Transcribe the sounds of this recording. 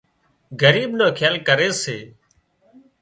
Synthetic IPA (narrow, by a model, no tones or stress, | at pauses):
ɡəɾiːbnoːkʰaːlkəɾeːseː